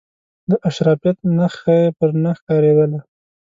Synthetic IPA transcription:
d̪əʔaʃɾɑfijat̪̚naxaepəɾnaxkɑɾed̪əla

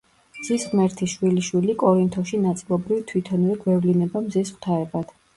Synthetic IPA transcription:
mz̥isχmɛɾt̪ʰiʃwiliʃwilikʼɔɾint̪ʰɔʃinat̪sʼilˠɔbɾivt̪ʰwit̪ʰɔnuɾiɡwɛvlinɛbamzisχʰt̪ʰaɛbad̪̥

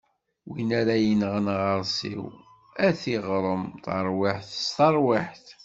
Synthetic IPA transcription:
winæɾajənʁənʁəɾˤsḭw | æθiʁɾˤəmθɑ̰ɾˤwiħθə̥st̪ɑɾˤwiħθ

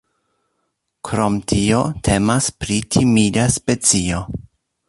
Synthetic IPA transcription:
kɾo̞mtʰio̞tʰe̞maspɾitʰimidaspe̞t͡sio̞

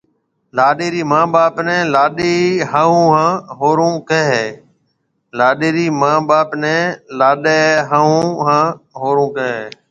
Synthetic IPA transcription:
laːɗeːɾiːmãːɓaːpnɛ̃ːlaːɗeːɦaːũːɦãːɦoːɾõːkeɦː | laːɗeːɾiːmãːɓaːpnɛ̃ːlaːɗeːɦaːũːɦãːɦoːɾõːkeɦeː

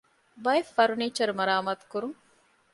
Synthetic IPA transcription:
bɐefːɐɾuniːt͡ʃɐɾumɐɾaːmaːt̪u̥kuɾuŋ

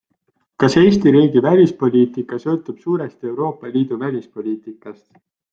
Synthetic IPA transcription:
kɑse̞ːst̪iɾiːɡivælʲispo̞lʲiːt̪ikːˑɑsɤ̞ːt̪ːˑub̥suːɾest̪e̞wɾo̞ːpːˑɑliːd̪̥uvælʲispo̞lʲiːt̪ikːˑɑst̪

